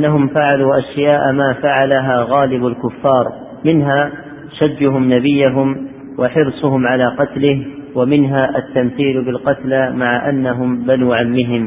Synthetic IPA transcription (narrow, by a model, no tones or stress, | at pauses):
ʔanːaɦʊmfaʕaluːʔaʃjaːʔmaːfaʕalaɦaːɣaːlɪbalkʊfːɑːɾˤ | mɪnɦaː | ʃad͡ʒːʊɦʊmnabɪjːaɦʊm | waħɪɾsˤʊhʊmʕalaːqɑt̪lɪhwamɪnɦaːʔat̪ːamθiːlbɪlqɑt̪lamaʕaʔanːaɦʊmbanuːʕamːɪɦɪm